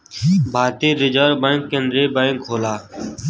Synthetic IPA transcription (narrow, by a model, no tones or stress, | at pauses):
bʱaːt̪iːɾɪd͡ʒəːɾbə̃ɪŋkːenɖ̪ɾeːbəɪŋkʰoːlaː